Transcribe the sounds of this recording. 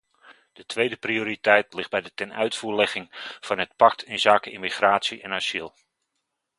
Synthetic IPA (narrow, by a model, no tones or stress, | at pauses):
d̥ətʋejdəprioːɾitɛjtlɪχd̚bɛjdətɛnœ̰ɥtfuːɹlɛχɪŋv̥ɑnɦət̚pɑk̚tʰɪnzaːkəʔɪmiχraːtsiʔɛnasilˠ